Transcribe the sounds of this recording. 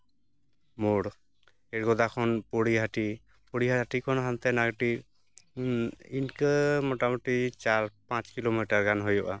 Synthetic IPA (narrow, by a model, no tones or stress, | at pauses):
moɽ | ɛɾɡɔd̪akʰɔnpoɽiɦaʈi | poɽiɦaʈikʰɔnɦant̪ɛnaɡʈiɾ | inkəmɔʈamɔʈit͡ʃaɾpãt͡ʃkilomiʈaɾɡanɦojɔʔa